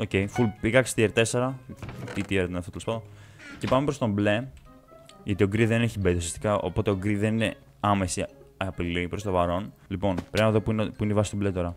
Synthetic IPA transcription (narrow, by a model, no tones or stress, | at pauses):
o̞ce̞jfulpikɐkst̪ieɾt̪e̞seɾɐt̪it̪ieɾet̪enɐft̪ot̪eospɐðon | ce̞pɐmepɾost̪o̞mble̞ | ʝɐt̪ioɡɾiðeneçibet̪iosiɐst̪ikɐʔo̰po̞t̪e̞o̞ɡɾiðe̞nine̞ | ɐmesiɐpilipɾo̞st̪ovɐɾo̞nlipo̞npɾenɐðopinepuineivɐsi̥st̪iblet̪o̞ɾɐ